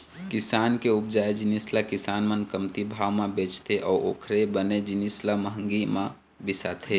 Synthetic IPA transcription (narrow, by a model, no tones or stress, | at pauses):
kɪsaːnkeʊpd͡ʒaːed͡ʒɪnislakɪsaːnmənkəmt̪ibʱaːwmãbeːt͡ʃt̪ʰeʔɔːɾo̰ːkʰɾebəned͡ʒɪnislaməɦə̃ŋɡimã | bɪsat̪ʰe